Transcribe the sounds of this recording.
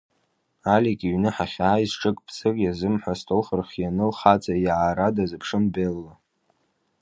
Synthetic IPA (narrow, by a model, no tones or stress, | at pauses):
alikʼiɥnɨħaχʲaːjzʈ͡ʂʼɨkʼpʰsɨkʲʼjazɨmħʷastʰʼowχərχʲjanɨlχat͡sʼajʕaɾadazɨpʰʂɨmbelːa